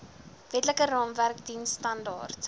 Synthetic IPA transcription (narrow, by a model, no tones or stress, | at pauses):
vɛtləkərɑːmværkdinsːtɐndɑ̰ːrt